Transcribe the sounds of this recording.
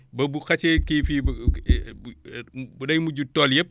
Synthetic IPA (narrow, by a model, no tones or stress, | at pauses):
bɐbuxɐt͡ʃɛkifib | budɐjmuɟutɔːljɐp̚